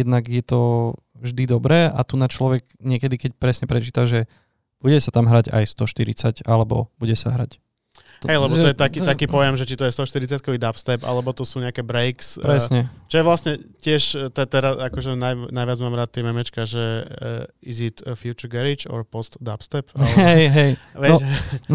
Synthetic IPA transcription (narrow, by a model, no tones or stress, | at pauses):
jɛd̪naɡjɛt̪ɔ | vʒd̪id̪ɔbɾɛːʔa̰t̪unat͡ʃlɔʋɛɡɲɪɛkɛd̪ikɛc̚pɾɛsɲɛpɾɛt͡ʃiːt̪aʒɛ | b̥uɟɛsat̪amɦɾaɟa̰jst̪ɔʃt̪iɾḭt͡sacalɛbɔ̰buɟɛsa̰ɦɾa̰c | ɦɛjlɛbɔt̪ɔjɛt̪akiːtakiːpɔjɛmʒɛt͡ʃit̪ɔjɛst̪ɔʃt̪iɾit͡sjat̪̚kɔʋiːd̪apst̪ɛpa̰lɛbɔt̪ɔsuːɲɛakɛbɾɛjkspɾɛsɲɛt͡ʃɔjɛʋlasɲɛcɪɛʃt̪ɛt̪ɛɾasakɔʒɛnajnajʋad͡zmaːmɾaːt̪ːjɛmɛmɛt͡ʃkaʒɛ | izit̪fjut͡ʃuɾɡɛɾit͡ʃɔ̰ɾpɔst̪d̪apst̪ɛpalɛɛjɦɛjʋɛnɔn